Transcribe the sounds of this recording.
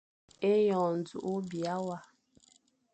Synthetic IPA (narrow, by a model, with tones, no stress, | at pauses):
e˦jɔ̃˨n˨d͡zṵ˨ʔu˦bja˦wa˨